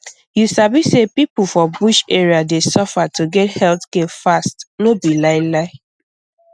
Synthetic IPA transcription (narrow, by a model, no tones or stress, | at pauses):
jusabisepipulfɔbuʃeɹiadesɔfatuɡɛthɛltkelfastnobilaɪlaɪ